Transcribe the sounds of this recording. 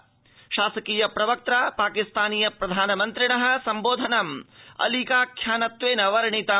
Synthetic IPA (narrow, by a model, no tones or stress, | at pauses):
ʃaːsɐkiːjɐpɾɐʋɐk̚t̪ɾaːpaːkist̪aːniːjɐpɾɐd̪ʱaːnɐmɐnt̪ɾiɳɐɦɐ̆sɐmboːd̪ʱɐnɐmɐ̰likaːkʰjaːnɐt̪ʋeːnɐʋɐɾɐɳit̪ɐ